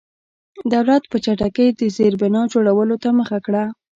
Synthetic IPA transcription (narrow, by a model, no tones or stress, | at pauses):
d̪awlat̪pət͡ʃaʈakəjd̪əzeɾbɪnɑd͡ʒoɽawəlot̪aməxakɽa